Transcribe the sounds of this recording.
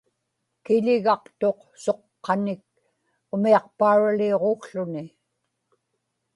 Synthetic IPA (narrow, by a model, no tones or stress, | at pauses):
kɪʎɪɣɑqt̪o̞q | so̞qːɑnɪk̚ | ʊmiɑq̚paːɻalio̞ʁoxɬʊnɪ